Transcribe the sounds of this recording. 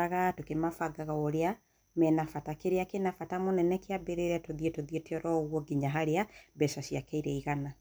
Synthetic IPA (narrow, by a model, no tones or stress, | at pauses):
aɣatokemafaɡaɣaoɾea | mɛnafatakeɾeakenafatamonɛnɛkeabeɾeɾɛtoðietoðieteɔɾɔɣwɔɡiɲaɦaɾeabɛʃaʃiakɛiɾɛiɣana